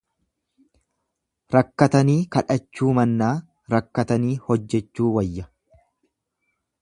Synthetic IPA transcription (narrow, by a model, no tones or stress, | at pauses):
ɾɐkːɐt̪ɐniːkɐᶑɐt͡ʃːuːmɐnːaː | ɾɐkːɐt̪ɐniːhɔd͡ʒːɛt͡ʃːuːwɐjːɐ